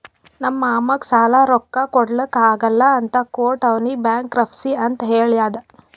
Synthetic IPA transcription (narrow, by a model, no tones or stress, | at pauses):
nɐmːɐaːmɐksaːlaɾɔkːɐkɔɽɐlɐkːaːɡɐlːɐːnt̪ɐkoːʈɐʋnibjaːŋkɾɐpʰsiɐnt̪ɐɦeːɭijaːd̪ɐ